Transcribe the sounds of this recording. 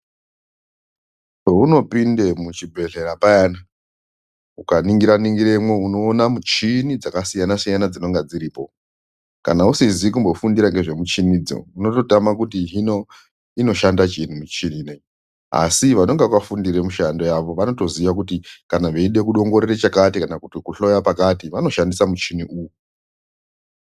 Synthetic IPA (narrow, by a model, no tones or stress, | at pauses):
ouno̞pindemut͡ʃibʱe̞ɮe̞ɾapajana | ukaniŋɡiɾaniŋɡiɾe̞mweuno̞ːnamut͡ʃinid͡zakasijanasijanad͡zino̞ŋɡad͡ziɾiːpo̞ | kanausizik̬umbo̞fundiɾaŋɡe̞ʐe̞mut͡ʃinid͡zo̞̰uno̞to̞tamakutiɦino | ino̞ʃandat͡ʃenimut͡ʃiniːne | a̰siʋano̞ŋɡeʋafundiɾemuʃando̞jaʋo̞ʋano̞to̞ziʋak̬utikanaʋeiɗe̞kuɗo̞ŋɡo̞ɾeret͡ʃakatikanakutikuɬo̞japakatiʋano̞ʃandisamut͡ʃiniʔuːwu